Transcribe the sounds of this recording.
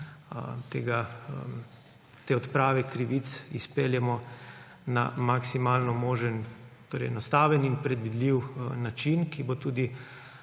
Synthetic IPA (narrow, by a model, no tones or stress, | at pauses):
t̪eːɡa | t̪eːɔt̪pɾaːʋɛkɾiʋit̪sispeːljɛmɔ | na̰maksimaːlnɔmoːʒənt̪oːɾɛ̰jɛnɔst̪aːʋɛninpɾɛd̪ʋid̪liwnat͡ʃinkibot̪uːd̪i